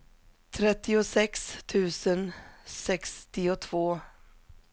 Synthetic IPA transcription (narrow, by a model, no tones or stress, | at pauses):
t̪ʰɾɛt̪ːɪʊsɛkst̪ʰʉ̟ːsənsɛkst̪ɪʊt̪ʰv̥oː